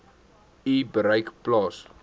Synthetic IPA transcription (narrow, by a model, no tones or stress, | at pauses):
ibəɾəjkplɑːs